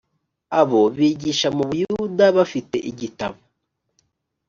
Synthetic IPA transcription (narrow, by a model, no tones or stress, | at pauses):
aβo̞βiːɟiʃamuβujuudaβafite̞̰ʔiɟitaβo